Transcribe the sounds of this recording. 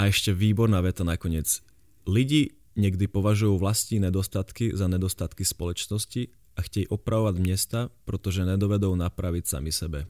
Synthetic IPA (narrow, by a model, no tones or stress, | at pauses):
aɛʃcɛʋiːbɔɾnaːʋɛt̪anakɔɲɪɛd͡z | liɟiː | ɲɛɡd̪ipɔʋaʒujuːʋlast̪ɲiːɲɛd̪ɔst̪at̪kizaɲɛd̪ɔst̪at̪kispɔlɔt͡ʃnɔsci | ʔaxcɛjʔɔpɾʔaʋɔʋaɟmɲɛst̪apɾɛt̪ɔʒɛɲɛd̪ɔʋɛd̪uʊnapɾaʋicsa̰misɛbɛ